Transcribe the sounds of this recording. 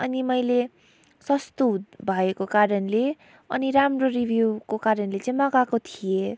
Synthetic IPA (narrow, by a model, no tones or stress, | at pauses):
ʌnimʌjle | sʌst̪ubʱʌekokaɾʌnle | ʌ̰niɾamroribʱjuwkokaɾʌnlet͡sãĩmʌkakot̪ʰije